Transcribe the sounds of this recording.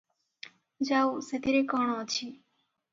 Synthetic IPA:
d͡ʒauset̪iɾekɔɳ̃ot͡ʃʰi

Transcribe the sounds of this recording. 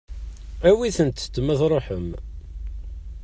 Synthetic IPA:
æwiθənt̪t͡s̪ːməðˤɾˤoħəm

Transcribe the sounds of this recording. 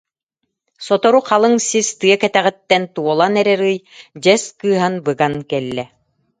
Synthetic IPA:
sɔt̪ɔɾuqalˠɯŋsist̪ɯɐkɛt̪æʁit̪ːɛnt̪uɔlˠanɛɾɛɾɯjd͡ʑɛskɯːɦanbɯɡankɛlːɛ

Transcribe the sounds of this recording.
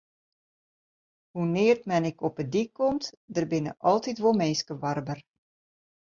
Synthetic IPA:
hunɪːərtmɛnɪkɔpədikːɔmt | dərbɪnə̰ʔɔlˠtitʋomeːskəʋɑrbər

